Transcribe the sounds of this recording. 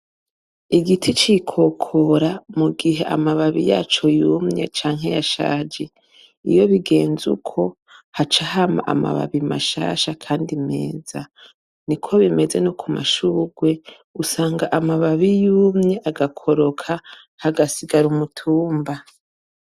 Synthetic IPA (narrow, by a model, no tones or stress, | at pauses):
iɡitʰit͡ʃikʰo̞kʰo̞ɾamuɡiɦe̞ʔa̰maβaβija̰ːt͡ʃo̞juːmɲe̞̰t͡ʃaːŋ̥ɦe̞jaʃa̰ːd͡ʒe̞ | ḭjo̞βiɡe̞ːnzṵkʰo̞ | hat͡ʃahama̰ʔa̰ma̰βa̰βima̰ʃa̰ːʃakʰaːndime̞̰ːza | nikʰo̞βime̞ze̞nukʰuma̰ʃuːɡwe̞ | usaːŋɡaʔamaβaβijuːmɲe̞ʔaɡakʰo̞ɾo̞kʰa | haɡasiɡaɾumutʰuːmba